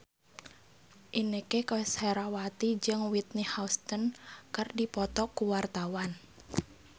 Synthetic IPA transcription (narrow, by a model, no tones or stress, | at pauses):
ʔinekekɔɛsheɾawat̪id͡ʒɨŋwit̪̚nihaust̪ənkardipɔt̪ɔkuwart̪awan